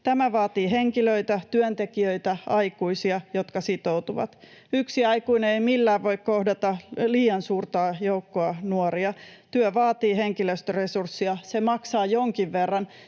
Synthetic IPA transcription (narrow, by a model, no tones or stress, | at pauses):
t̪æmæʋɑːt̪iːɦeŋkiløit̪æt̪yønt̪ekiøit̪æɑikuisiɑjo̞t̪kɑsit̪out̪uʋɑ̰t̪ | yksiɑikuineeimilːæːʋʋo̞ikkohdɑt̪ɑliːjɑnsuːrt̪ɑːjoukːoɑnuoɾiɑt̪yøʋɑːt̪iːɦeŋkiløst̪øresursːiɑsemɑksɑːjoŋkiʋʋerːɑn